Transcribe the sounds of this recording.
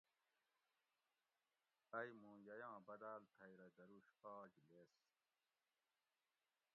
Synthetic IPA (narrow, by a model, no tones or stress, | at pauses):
ɐjmũːjɐjãːbɐd̪aːlt̪ʰɐjɾɐd̪ɐɾuɕpaːd͡ʑles